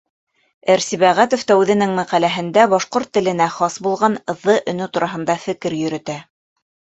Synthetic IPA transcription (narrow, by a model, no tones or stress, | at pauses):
æɾsiβæʁæt̪ŏft̪ɑʉðɘ̆nɘŋmæqælæɦɘ̆nd̪æbɑʃqoɾt̪ːɘ̆lɘ̆næχɑsbulˠʁɑnɤ̆ðːɤʔɵ̆nɵt̪uɾɑɦɤ̆nd̪ɑfɘ̆kɘɾjɵ̆ɾɵ̆t̪æ